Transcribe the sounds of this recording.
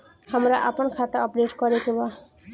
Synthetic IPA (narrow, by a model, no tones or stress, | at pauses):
hamɾaʔapɔnkʰat̪aɔpɖeʈkɔɾekeba